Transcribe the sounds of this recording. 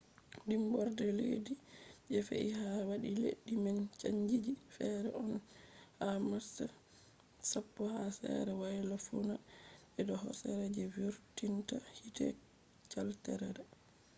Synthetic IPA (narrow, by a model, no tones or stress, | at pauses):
ɗimbɔɾdɛlḛdid͡ʒɛfḛihawaɗilḛɗːimant͡ʃaɲd͡ʒid͡ʒifɛɾɛ̰ʔɔnhamasa | sapːɔhasɛ̰ɾɛwajlafuna | ɛɗɔɦɔ̰sɛɾɛd͡ʒɛviɾtintahitɛ̰ | t͡ʃaltɛɾɛdɛ